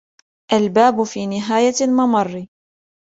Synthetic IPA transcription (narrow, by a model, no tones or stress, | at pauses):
ʔalbaːbʊfiːnɪɦaːjalmɑmɑrˤː